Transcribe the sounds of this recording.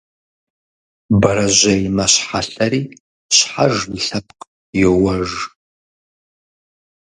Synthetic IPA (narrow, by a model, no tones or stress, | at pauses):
baɾaʒʷajmaʃʷħaɬaɾi | ʃʷħaʐlɬap̚ʰʼkʼ | jowaʐ